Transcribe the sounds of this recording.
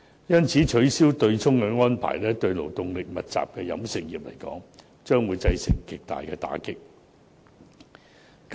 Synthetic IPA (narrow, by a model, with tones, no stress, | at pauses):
jɐ˥nt͡sʰiː˨˥t͡ʃʰɵ˨˥ɥsiː˥wt̪ɵ˧ɥt͡sʰʊ˥ŋkɛ˧ŋɔː˥npʰa̰ː˨˩jlɛː˥t̪ɵ˧ɥlo˨˩wt̪ʊ˨ŋlɪ˨k̚mɐ˨t̚t͡sa̰ː˨p̚kɛː˧jɐ̰˨˥msɪ˨k̚jiː˨p̚lɐ̰˨˩jkɔ̰ː˨˥ŋ | t͡ʃœː˥ŋwuː˨˧jt͡sɐ˧jsɪ̰˨˩ŋkɪ˨k̚t̪a̰ː˨jkɛː˧t̪a̰ː˨˥kɪ˥k̚ | k